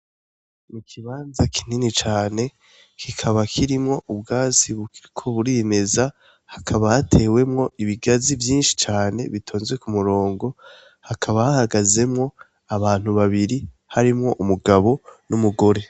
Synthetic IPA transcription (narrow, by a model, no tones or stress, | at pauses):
nikʰiβaːnzakʰi̥n̥init͡ʃaːne̞ | kʰikʰaβakʰiɾimŋo̞ʔubɡaːziβukiɾikʰo̞βuɾime̞za | hakʰaβahatʰe̞ːwe̞mŋo̞iβiɡazivjiːnʃi̥t͡ʃaːne̞̰βitʰoːnzwe̞kumuɾo̞ːŋɡo̞ | hakʰaβahahaɡaze̞mŋo̞ | aβaːn̥huβaβiɾi | haɾimŋo̞ʔumuɡaβo̞numuɡo̞ɾe̞